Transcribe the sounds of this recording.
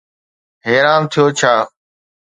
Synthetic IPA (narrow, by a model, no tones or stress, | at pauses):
ɦeːɾaːmt̪ʰɪjoːt͡ʃʰaː